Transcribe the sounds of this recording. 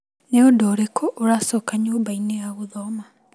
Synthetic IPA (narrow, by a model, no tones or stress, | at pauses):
neodoːɾekʰoʔoɾasɔkaɲoːmbaineaɣoðɔma